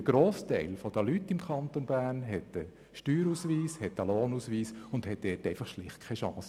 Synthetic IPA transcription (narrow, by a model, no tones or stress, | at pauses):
əɡ̥ɾoːst̪ɛɪlfɔd̥əlytːɪmkʰɑnt̪onbæːrnɦɛt̪ə | ʃtyːɾusʋiːshɛtəloːnusʋiːsʊndhɛt̚dɛtɛɪfɑχʃlɪχt̚kʰɛʃɑ̰̃ːsə